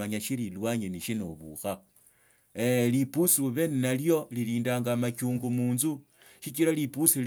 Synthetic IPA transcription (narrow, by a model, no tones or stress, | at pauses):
aɲaʃililwaɲeniʃinoβṵxa | elipusiβe̞nnaljo̞liliːndaːŋɡamakuːŋɡumuːnzu | ʃit͡ʃiɾalipusil